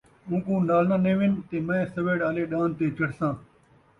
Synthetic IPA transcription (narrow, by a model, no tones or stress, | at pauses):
mũːkũːnaːlnãːnẽːʋɪnt̪eːmɛ̃ːsəʋeːɽaːleːɗaːnt̪eːt͡ʃəɽsãː